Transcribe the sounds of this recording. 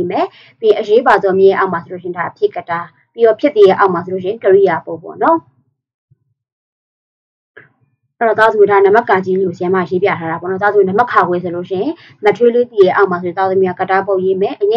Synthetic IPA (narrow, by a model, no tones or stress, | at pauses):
mɛ | pĩʔəjebazɔmjẽjɛʔamasoloʃɪ̃daʔpʰjɪkəta | piɾɔpʰjɪt̪ːijɛʔaʊʔmas̬ʰolo̰ʃɪ̃ɪ̃kəɹijapõpɔ̰nɔ | ʔɛɔt̪azõdanamakːãd͡ʑilosɪjãma̰jepja̰tʰaɾabɔ̰nɔt̪a̰zõnəmakʰaɡwɛsʰoloʃɪ̃ɪ̃ | mətʰwelet̪ijɛʔaʊʔmaõt̪aðiakətapoʔjemɛʔəɲɛ̃